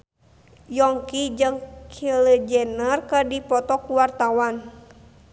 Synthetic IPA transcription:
jɔŋkid͡ʒɨŋkʰiləd͡ʒɛnərkərdipɔt̪ɔkuwart̪awan

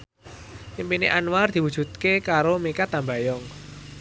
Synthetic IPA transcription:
impineʔanward̪̥i̤wud̥ʒ̥ṳt̪̚kekaɾomekat̪amba̤jɔŋ

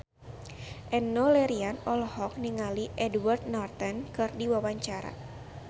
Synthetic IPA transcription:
ʔɛnːolɛɾianɔlhɔk̚niŋaliʔɛdwart̪̚nart̪ɛnkɨrdiwawaɲt͡ʃaɾa̰

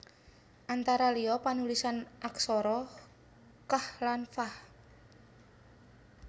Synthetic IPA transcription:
ʔant̪aɾaliɔpanulisanʔaksɔɾɔ | kahlanfah

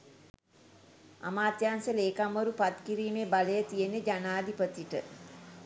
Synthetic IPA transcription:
a̰maːt̪jaːnsəleːkamːəɾupat̪kiɾiːmeːbaləjət̪ijened͡ʒanaːd̪ipət̪iʈə̰

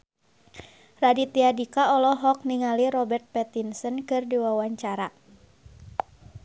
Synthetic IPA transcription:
radit̪iadikaɔlɔɦɔk̚niŋaliɾɔbɛrt̪̚pɛt̪insənkɨrdiwawaɲt͡ʃaɾa

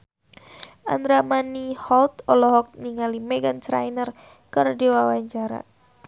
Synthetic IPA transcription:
ʔa̰nd̪ɾamanihɔlt̪ɔlɔɦɔk̚niŋalimɛɡant͡ʃɾa̰jnər | kɨrdiwawaɲt͡ʃaɾa̰

